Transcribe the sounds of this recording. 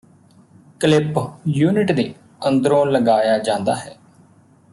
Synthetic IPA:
kəlɪpjuːnɪʈd̪eː | ənd̪əɾõːləɡaːjaːd͡ʒãːnd̪a̰ːɦɛː

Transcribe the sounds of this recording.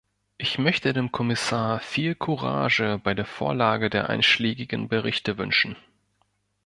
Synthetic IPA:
ʔɪçmœçtədeːmkʰɔmɪsaːɐfiːlkʰuʁa̰ːʒəbaɪdeːɐfo̰ːɐlaːɡədeːɐʔa̰ɪnʃleːɡɪɡn̩bəʁɪçtəvʏ̰nʃn̩

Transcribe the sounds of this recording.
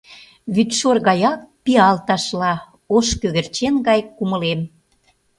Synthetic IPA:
βyt̪ʃorɣɑjɑk̚piɑlt̪ɑʃlɑ | oʃkøɣə̆rt͡ɕenɣɑjkumə̆lem

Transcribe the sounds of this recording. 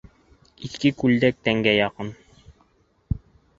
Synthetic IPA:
iθkɘkʉld̪æk̚t̪æŋɡæjɑqɤn

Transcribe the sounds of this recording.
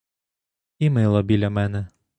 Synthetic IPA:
imɛjlˠɔbʲilʲɐmɛnɛ

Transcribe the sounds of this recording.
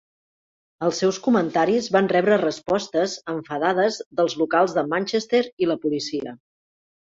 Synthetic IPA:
əlˠsːɛwskumənt̪aɾizβanrɛβɾərəspɔst̪əzəɱfəðaðəzðəlˠzlukalˠzðəmanʲt͡ʃest̪eɾiləpulisiə̰

